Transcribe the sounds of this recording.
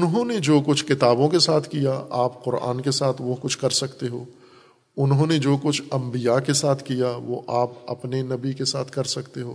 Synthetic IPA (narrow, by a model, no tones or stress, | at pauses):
ʊnɦõned͡ʒoːkʊt͡ʃʰkɪt̪aːbõkesaːt̪ʰkijaaːpqʊɾa̰ːnkesaːt̪ʰʋokʊt͡ʃʰkɐɾsɐkt̪eɦoː | ʊnɦõned͡ʒoːkʊt͡ʃʰɐ̃mbijakesaːt̪ʰkijaʋo̰ʔaːp̚ɐ̰pnenɐbikesaːt̪ʰkɐɾsɐkt̪eɦoː